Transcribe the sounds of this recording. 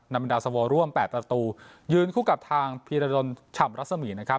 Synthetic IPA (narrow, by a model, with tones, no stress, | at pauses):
na˧jma˧ndaː˧sa˧wɔː˧ɾu˥˩əmpɛː˨˩t̪̚pɾa˧t̪uː˧ | jɯː˧nkʰuː˥˩ka˨˩p̚t̪ʰaː˧ŋpʰiː˧ɾaː˧do˧nt͡ɕʰa˨˩mɾa˦˥t̪̚sa˧miː˩˦na˦˥kʰa˦˥p̚